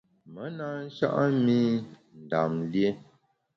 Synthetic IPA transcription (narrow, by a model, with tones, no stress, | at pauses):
mə˨˦na˦n̩˦ʃa̰˦ʔa˦mi˦ | n̩˨da˨mlje˦